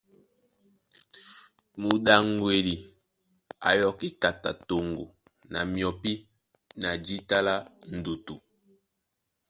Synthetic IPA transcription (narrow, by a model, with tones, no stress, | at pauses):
mu˨ɗa˨ŋ˦ɡwe˨ɾi˨ | a̰˨jɔ˨ki˦ka˨ta̰˨to˨ŋɡo̰˨ | na̰˨mjɔ˨pi˦ | na˨d͡ʒi˦ta˦la˦n̩˨du˨tu˨